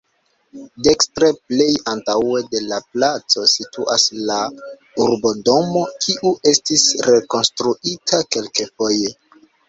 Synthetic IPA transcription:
de̞kstɾeple̞jantawe̞de̞laplat͡so̞situʔasla | uɾbo̞do̞mo̞kʰiʔuʔe̞stisɾe̞ko̞nstɾuitʰake̞lke̞fo̞je

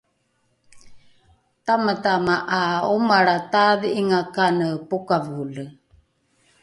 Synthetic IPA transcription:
tamətamaʔaomaɽataðiiŋakanəpokavulə

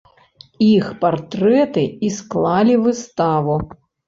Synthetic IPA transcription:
ixpart̪ɾɛt̪ɨisklˠalʲivɨst̪avu

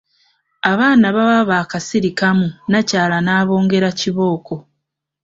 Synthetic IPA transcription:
aβaːnaβaβaβaːkasiɾikamunacaːlanaːβo̞ːŋɡe̞ɾaciβo̞ːko̞

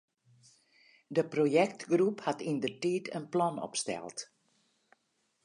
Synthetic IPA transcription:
dəprojɛk̚tɡruphatindərtiːtʰə̰nplɔnɔ̰pstɛ̰lˠt

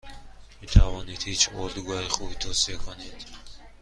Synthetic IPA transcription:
mit̪ʰavɔnid̪hit͡ʃʰɔɾd̪uɡuaiχubit̪ʰɔsiekʰɔned̪̥

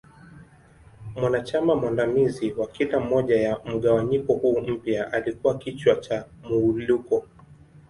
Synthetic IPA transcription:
mwanat͡ʃamamwandamiziwakilam̩ɔʄajam̩ɠawaɲikɔhuːm̩pjaʔalikuwakit͡ʃwat͡ʃa | muːlukɔ

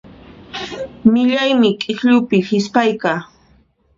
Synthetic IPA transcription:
mɪʎajmɪkʼɪhʎʊpɪhɪspajkaː

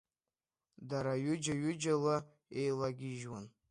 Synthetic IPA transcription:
daɾajʊd͡ʒaɥʊd͡ʒala | ejlaɡʲiʒwan

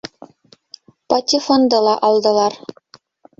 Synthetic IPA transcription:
pɑt̪ʲifond̪ɤ̆lˠɑʔɑlˠd̪ɤ̆lˠɑr

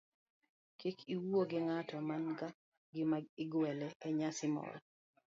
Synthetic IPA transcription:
kikʰiwuoɡɪŋatɔmanɡa | ɡɪmaɪɡwɛlɛɛɲasɪmɔ̰l

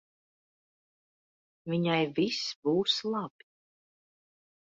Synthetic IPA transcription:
viɲajvisbuːslˠab̥i

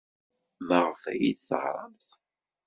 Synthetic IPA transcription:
məʁfæ̰jid̪θə̰ʁɾˤɑ̰nθ

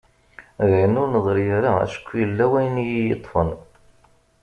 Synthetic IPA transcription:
ðʕənʊnəðˤɾijəɾaæ̰ʃə̥kʷːjəlːæwæjnjijit̪ˤːfən

